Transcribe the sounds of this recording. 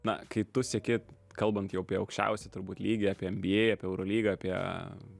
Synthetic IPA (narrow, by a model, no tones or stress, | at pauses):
nɐ̰kɐɪt̪ʊsʲɛkʲɪ | kɐlˠbɐnt̪jɛʊɐpʲiɛɐʊkʃʲt͡ʃʲɛ̰ʊsʲɛt̪ʊɾbuːt̪ʲlʲiːɡʲɪɑːpʲiɛɛmʲbʲɪeɪɑːpʲiɛɛʊɾoːlʲiːɡɐaːpʲiɛ